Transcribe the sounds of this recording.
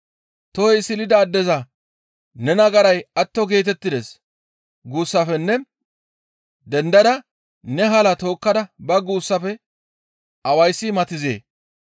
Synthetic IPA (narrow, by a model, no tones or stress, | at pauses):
t̪ɔjsɪlɪd̪ɐːd̪ːɛzɐ | nɛnɐɡɐɾɐjɐt̪ːɔɡe̞ːt̪̬ɛt̪ːɪd̪ɛs | ɡuːsːɐfɛnːɛ | d̪ɛnd̪ɐd̪ɐ | nɛɦɐlɐt̪o̞ːkːɐd̪ɐbɐɡuːsːɐfɛ | ʔɐwɐjsːɪmɐt̪ɪzḛː